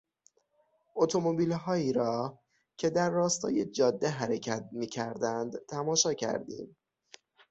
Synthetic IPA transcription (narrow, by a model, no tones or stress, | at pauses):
ʔo̞t̪ʰo̞mo̞biːlɦɒːiːɾɒː | cʰe̞d̪æɾːɒːst̪ʰɒ̰ːje̞d͡ʒɒːd̪ːe̞ɦæɾecʰæt̪̚miːcʰæɾd̪ænd̪t̪ʰæmɒːʃɒːcʰæ̰ɾd̪ḭːm